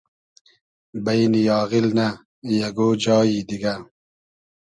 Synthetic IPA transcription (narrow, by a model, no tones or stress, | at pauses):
bɐjnijɑːɣilna | jaɡoːd͡ʑɑːid̪iɡa